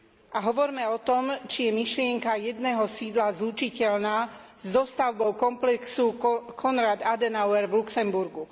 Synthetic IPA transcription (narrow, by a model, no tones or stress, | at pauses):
ʔaɦɔʋɔɾmɛɔt̪ɔmt͡ʃijɛmiʃlɪɛŋkajɛd̪nɛɦɔsiːd̪lazlut͡ʃicɛlnaː | zd̪ɔst̪aʊbɔʊkɔmplɛksukʰɔnɾad̪ad̪ɛnaʊɛɾʋluksɛmbuɾɡu